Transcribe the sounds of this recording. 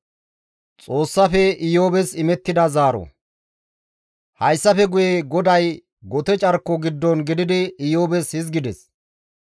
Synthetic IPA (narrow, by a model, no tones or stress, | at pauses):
t͡sʼo̞ːsːɐfɛɪjoːbɛsɪmɛt̪ːɪd̪ɐzaːɾɔ̰ | hɐjsːɐfɛɡʊjeɡɔd̪ɐj | ɡɔt̪ɛt͡ʃʼɐɾkːɔɡɪd̪ːɔnɡɪd̪ɪd̪ɪɪjoːbɛshɪzɡɪd̪ɛs